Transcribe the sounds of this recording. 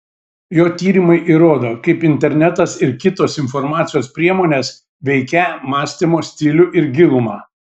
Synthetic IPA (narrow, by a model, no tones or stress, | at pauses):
joːt̪ʲiːɾʲimɐɪʔiɾoːd̪oːkɐɪpɪnʲt̪ʲɛɾʲnʲɛt̪ɐsɪɾkʲɪt̪oːsɪnfɔɾmɑːt̪sʲɪjoːspʲɾʲiɛmoːnʲeːs | ʋʲɛɪkʲɛmɑːsʲt̪ʲɪmoːsʲt̪ʲɪlʲʊʔɪɾɡʲɪlˠʊmɑː